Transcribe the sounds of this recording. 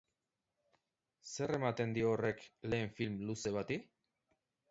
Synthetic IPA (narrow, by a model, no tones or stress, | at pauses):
se̞re̞mat̪e̞nd̪iore̞kle̞ːɱfilmluse̞βat̪i